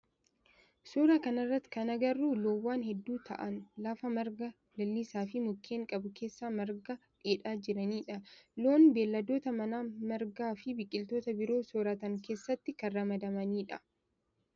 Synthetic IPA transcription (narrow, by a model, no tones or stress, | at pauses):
soːɾaːkɐnɐrːɐt̪ːɪ̥kɐnɐɡɐrːuːloːwːaːnhɛd̪ːuːt̪ʰɐ̰ʔɐnlafɐmɐɾɡɐ | lɐlːisaːfɪmʊkʰːeːŋkʼɐbʊke̞ːsːaːmɐɾɡɐᶑeːᶑaːd͡ʒɪɾɐniːᶑɐlo̞ːnbe̞ːlːɐd̪o̞ːt̪ɐmɐnaːmɐɾɡaːfɪbɪkʼːɪlt̪o̞ːt̪ɐbɪɾo̞ːsoːɾɐt̪ɐŋke̞ːsːɐt̪ːɪkɐːɐmɐd̪ɐmɐniːᶑɐ